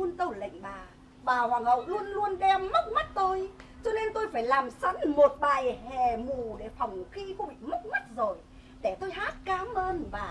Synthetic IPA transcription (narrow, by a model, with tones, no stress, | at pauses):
u˧ənt̪ə˧˩wlə̰˧˨jŋ̟ɓaː˨˩ | ɓaː˨˩hwaː˨˩ŋhə̰˧˨wlu˧ənlu˧ənɗɛ˧mːə˦˥t̚ma˦˥t̚t̪o˧jt͡ɕɔ˧ne˧nt̪o˧jfaː˧˩jlaː˨˩msa˨˦nmo˨˩t̚ɓaː˨˩jhɛ˨˩mu˨˩ɗe˧˩fa˨˩wŋ͡mxi˧xu˧ɓḭ˧˨mə˦˥k͡p̚ma˦˥t̚zo˨˩j | ɗe˧˩t̪o˧jhaː˦˥t̚kaː˨˦mʔəː˧nvaː˨˩